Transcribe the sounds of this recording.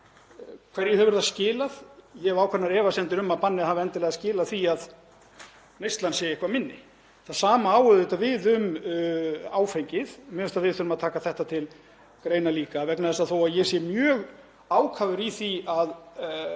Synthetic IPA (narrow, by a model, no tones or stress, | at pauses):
kʰvɛɾjɛhɛvʏɾðascɪːlaðjɛɛvaːwkʰɛt̪naɾɛːvasɛnt̪ɪɾʏmaðpanːɪðhavɛnt̪ɪlɛɣascɪːlaðθiað | nejst̪lansɛjehkvamɪnːɪ̰ | θaðsaːmaaːwʏðɪt̪avɪðʏm | aːwfejɲcɪðmɛːʏst̪aðvɪðθʏɾʏmaðt̪ʰaːkaθɛht̪at̪ʰɪl | kɾejnaliːkavɛknaðɛsːaθowaðjɛsɛmjœːɣ | aːwkʰavʏɾiθiað